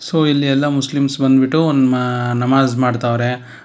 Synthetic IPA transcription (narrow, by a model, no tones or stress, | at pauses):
soːilːiɛlːɐmuslimsbɐnd̪biʈːunmanɐmaːzmaːɖt̪aːʋɾe